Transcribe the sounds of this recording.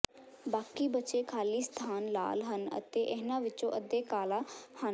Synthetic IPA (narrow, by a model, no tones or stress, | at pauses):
baːkiːbətːt͡ʃeːkʰaːliːst̪ʰaːnla̰ːlɦənə̰t̪eːʔəɦnãːʋɪt͡ʃõːʔəd̪eːkaːlaːhə